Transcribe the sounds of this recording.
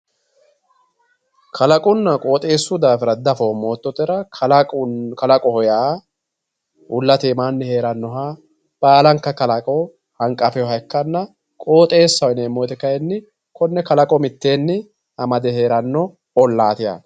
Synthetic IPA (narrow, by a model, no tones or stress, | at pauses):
kʰɐlɐkʼʊnːɐkʼo̞ːt̪ʼe̞ːsːʊd̪aːfɪɾɐd̪ɐfoːmo̞ːt̪ːɔt̪ʼɪɾɐlʼkɐlɐkʼɔhɔjaː | ʊlːɐt̪eːmaːnːɛhe̞ːɾɐnːɔɦaː | b̥aːlɐŋkːɐkɐlɐkʼɔ | hɐŋkʼɐfɛjɔɦɐkːɐnːɐ | kʼo̞ːt̪ʼe̞ːsːɐwneːmːojt̪ɪkɐjɛnːɪ | kɔnːɛkɐlɐkʼɔmɪt̪ːe̞ːnːɪ | hɐmɐd̪ɛhe̞ːɾɐnːɔ | ɔlːaːt̪ɪja̰ː